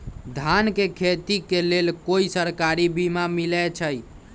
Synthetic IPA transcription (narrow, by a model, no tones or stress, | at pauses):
d̪ʱankekʰet̪ikelelkoisəɾkaɾibimamilɛt͡ʃʰəj